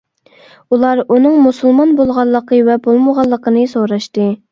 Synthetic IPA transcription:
ulˠɑɾunɨŋmusɨlˠmɑnbolˠʁɑlˠːəqʰəvɛbolˠməʁɑlˠːəqənɨsoɾɑʃt̪ɨ

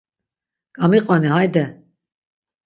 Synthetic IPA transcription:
kʼamiqʼɔnihajd̪ɛ

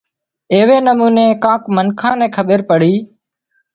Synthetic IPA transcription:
eːʋeːnəmuːneːkãːkmənkʰãːnɛ̃ːkʰəɓeɾpəɽiː

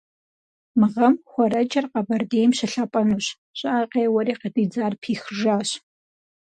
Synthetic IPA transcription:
mɨʁɐmxʷɔɾɐd͡ʒʼɐrqɐbɐrdeːjmɕɪɬapʼɐnuːɕ | ɕʼɑaːqeːwɐɾiːqədiːd͡zaːrpʰiːxʒaːɕ

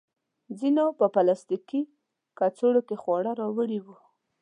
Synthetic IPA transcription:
d͡zinopəpalast̪iki | kat͡soɽokexwɑɽaɾɑwəɽiwu

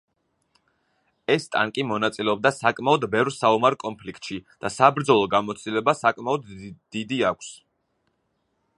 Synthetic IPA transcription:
ɛst̪ʼa̰ŋkʼimɔnat̪sʼilɛɔb̚d̪asakʼmaɔd̪bɛvɾsaumaɾkʼɔnpʰlikʰʼt̪ʼʃid̪̥asabɾd̪zɔlˠɔɡamɔt̪st̪ilɛbasakʼmaɔd̪d̪̥id̪iakʷʰs

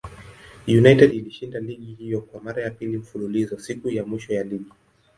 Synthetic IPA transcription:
junajtɛdiliʃindaliɠihijɔkwamaɾajapilim̩fululizɔsikujamwiʃɔjaliɠi

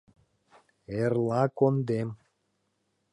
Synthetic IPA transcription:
erlɑkond̪em

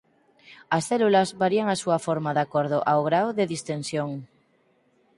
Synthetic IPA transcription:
asθelulazβaɾiaŋasuafoɾmaðakoɾð̞oʔawɣ̞ɾawðeðist̪ẽnsjoŋ

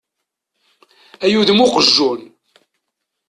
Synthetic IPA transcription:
æjuðmʊqəʒːun

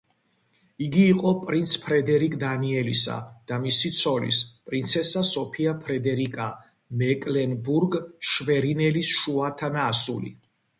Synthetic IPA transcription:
iɡiːqʼɔpʼɾint̪sʰpʰɾɛd̪ɛɾikʼd̪aniɛlisa̰d̪̥amisit̪sʰɔlḭspʼɾint̪sʰɛsasɔpʰiapʰɾɛd̪ɛɾikʼa | mɛkʼlɛnbuɾɡʃvɛɾinɛlisʃuat̪ʰanaːsṵlḭ

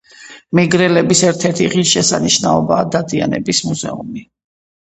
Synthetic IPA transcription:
mɛɡɾɛlɛbisɛɾt̪ʰɛɾt̪ʰiʁiʃɛsaniʃnaɔbaːd̪ad̪ianɛ̰bismuzɛ̰umi

